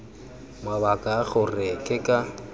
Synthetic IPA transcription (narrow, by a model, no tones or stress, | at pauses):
mwaβakʼaɣʊrɪkʼɪkʼa